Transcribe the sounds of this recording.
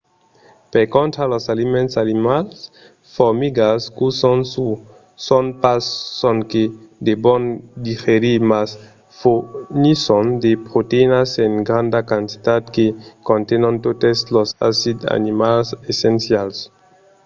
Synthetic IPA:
peɾkont̪ɾalosalimẽntsalimals | foɾmiɡaskusu | sonpassonked̪ebond̪ifeɾimas | funisond̪epɾot̪einaseŋɡɾand̪akant̪i̥t̪ad̪kekont̪enont̪ot̪eslosa̰sid̪a̰nimalsesensjals

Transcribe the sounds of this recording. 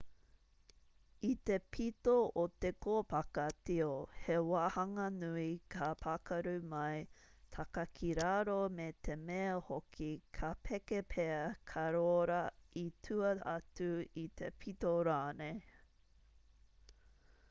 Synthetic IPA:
it̪e̞pʰitoot̪ekoːpɐkɐtiohewahɐŋɐnuikʰapʰakɐɾʉmɐjt̪ʰɐkɐkʰiɾaɾomet̪ʰe̞meɐhokʰikʰapʰɛkepʰeɐkʰɐɾoɾɐitʰʉɐɐtuit̪ʰḛpʰit̪oɾaːne

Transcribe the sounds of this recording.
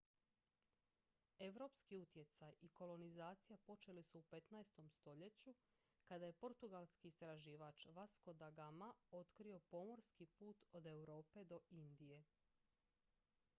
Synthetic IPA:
e̞ʋɾo̞ːpskiut̪je̞t̪sajiko̞lo̞nizaːt̪sijapo̞t͡ʃe̞lisuːpe̞t̪naest̪o̞mst̪o̞ʎe̞t͡ɕu | kad̪aje̞po̞ɾt̪uɡalˠskiːst̪ɾaʒiːʋat͡ʃʋasko̞d̪aɡamao̞t̪kɾio̞po̞mo̞ɾskipuːt̪o̞d̪e̞wɾo̞ːpe̞d̪o̞ind̪ije̞

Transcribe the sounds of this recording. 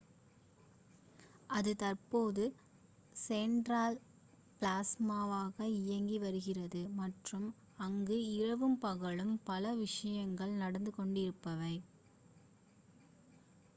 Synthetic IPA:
ʔɐðɯt̪ɐrpoːðɯ | sɛɳɖɾaːl | pɭaːsmaːʋaːɣɐɪjɐŋɡiʋɐɾɯɣɪrɐðɯmɐʈrɯm | ɐŋɡɯɪɻɐʋɯmpɐɣɐɭɯmpɐlɐʋɪʂɐjɐŋɡɐɭnɐɽɐnd̪ɯkɔɳɖɪɾɯpːɐʋɐɪ

